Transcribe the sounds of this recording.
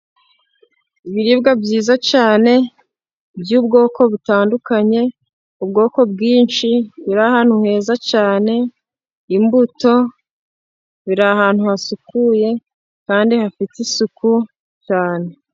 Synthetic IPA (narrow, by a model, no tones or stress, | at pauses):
iβiɾibɡabɟiːzat͡ʃaːne̞ | bjuːb̚ɡo̞ːkʰo̞βutaːndukaɲe̞ | ubɡo̞ːko̞bɡiːnt͡ʃiβiɾahaːn̥huhe̞ːzacaːne̞ | imbuto̞ | βiɾahaːn̥huhasukuje̞ | kaːndihafitisuku | t͡ʃaːne̞